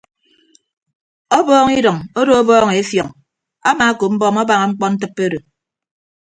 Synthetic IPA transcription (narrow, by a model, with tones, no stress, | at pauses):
ɔ˦bɔː˦ŋi˦dɔ˨ŋo˦ɾo˦o˦bɔː˦ŋe˨e˦fjɔ˨ŋ | a̰˦ma˨a˦ko˨m̩˦bɔː˦mɔ˦ba˨ŋa˨ŋ͡m̩˦k͡pɔ˦n̩˦t̬ɨ˦pːe˦ɾo˨